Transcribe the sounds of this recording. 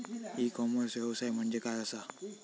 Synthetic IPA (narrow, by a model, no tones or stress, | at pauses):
ikɔməɾsʋɛʋsajm̤əɳd͡zekajəsa